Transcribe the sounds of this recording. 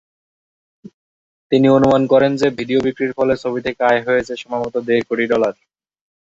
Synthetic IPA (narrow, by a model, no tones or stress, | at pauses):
t̪inionumankɔɾend͡ʑebʱiɖiobikɾiɾfɔlet͡ɕʰobit̪ʰekeaeɦojet͡ɕʰeʃɔmamot̪od̪ekoʈiɖɔlaɾ